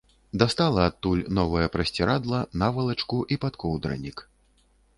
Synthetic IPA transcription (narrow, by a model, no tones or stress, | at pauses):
d̪ast̪alˠɐat̪ːulʲnɔvɐjɐpɾɐsʲt͡sʲɛɾad̪lˠɐnavɐlˠɐt͡ʂkuʔipat̪kɔwd̪ɾɐ̰nʲik